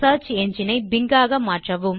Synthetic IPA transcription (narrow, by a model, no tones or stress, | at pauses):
aːt͡ʃɛɲd͡ʒinɐɪbɪŋɡaːɣɐmaːʈrɐʋɯm